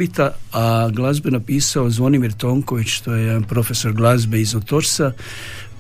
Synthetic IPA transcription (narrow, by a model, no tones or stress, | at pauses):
it̪aaɡlˠazbenapiːsao̞zʋo̞nimiɾt̪o̞ːŋko̞ʋit͡ʃt̪ojepɾo̞fe̞so̞ɾɡlˠazbe̞izot̪oɾsa